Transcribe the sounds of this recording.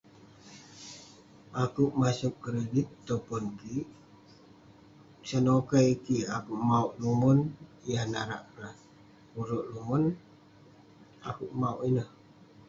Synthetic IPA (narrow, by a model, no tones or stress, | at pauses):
akuʔmasuk̚kɾedit̪ːopɔnkiʔ | sənokaikiakuʔmauʔlumɔnijahnaɾa̰ʔɾa | uɾɔʔlumɔn | akuʔmauʔinəh